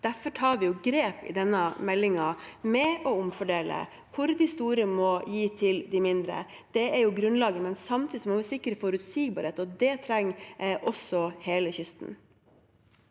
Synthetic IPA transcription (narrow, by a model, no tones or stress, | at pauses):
d̪̥æɾfɔʈʰɑːɾʋɪjʊɡɾeːpɪ̰d̪ɛnːəmɛlːɪŋɑmɛɔʊmfɔɖeːlə̰ | kʰʊɾd̪ɪst̪uːɾəmɔjiːt̪ʰɪld̪ɪmɪnd̪ɾə̰ | d̪̥ɛæɾjʊɡɾʉnlɑːɡəmɛnsɑmt̪ʰiːɪsɔmɔʋɪsɪkːəɾəfɔɾʉt̪siːɡbɑːɾheːt̪ɔd̪ɛt̪ʰɾɛŋːʔɔsɔheːləçʏst̪n̩